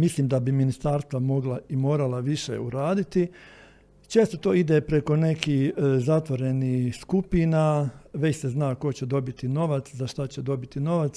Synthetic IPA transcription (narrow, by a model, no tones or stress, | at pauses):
misliːmd̪abiminist̪aːɾst̪ʋamo̞ɡlaimo̞ːɾalaʋiʃḛuɾaːd̪it̪i | t͡ʃe̞ːst̪o̞t̪oːid̪epɾe̞ko̞ne̞kiːhzat̪ʋo̞ɾe̞nihskupinaʋe̞t͡ɕseznaːko̞t͡ɕed̪o̞bit̪ino̞ʋat̪szaʃt̪at͡ɕed̪o̞bit̪ino̞ʋat̪s